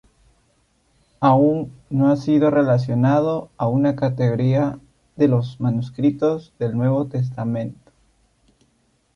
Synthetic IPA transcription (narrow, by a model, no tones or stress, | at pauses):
aunːoasiðo̞re̞las̬jo̞nað̞o̞aunakat̪eɣoɾia | ðe̞lo̞zmanuskɾit̪o̞zðe̞lnwe̞β̞o̞t̪e̞s̬t̪amẽ̞nt̪o̥